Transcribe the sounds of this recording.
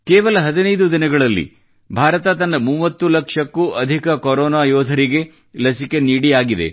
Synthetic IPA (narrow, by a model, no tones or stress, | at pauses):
keːʋɐlɐɦɐd̪inɐjd̪ud̪inɐɡɐɭɐlːḭ | bʱaːɾɐt̪ɐt̪ɐnːɐmuːʋɐt̪ːulɐkʂɐkːuʔɐd̪ʱikɐkoɾɔːnaːjɔːd̪ʱɐɾiɡe̞ | lɐsike̞niːɽijaːɡid̪e̞̰